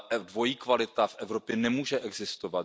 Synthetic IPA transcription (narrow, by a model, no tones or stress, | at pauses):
dvo̞jiːkvalɪt̪afʔɛvɾo̞pjɛnɛmuːʒɛʔɛɡzɪst̪ovat̪